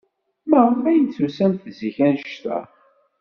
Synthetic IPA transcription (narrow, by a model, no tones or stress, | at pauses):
mæʁfæjənt͡sːusænθziçænʃt̪æ̰